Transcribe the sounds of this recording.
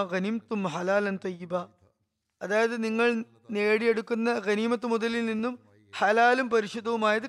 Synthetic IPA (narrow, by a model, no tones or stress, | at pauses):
ɣɐnimɐt̪ːumħɐlaːlɐnt̪ɐjːiba | ɐðaːjɐðɨniŋːɐɭ | neːɽieɽukːunːɐɣɐniːmɐt̪ːumud̪ɐlːilninːum | hɐlaːlumpɐɾiʂud̪ːɐʋumaːjɐðɨ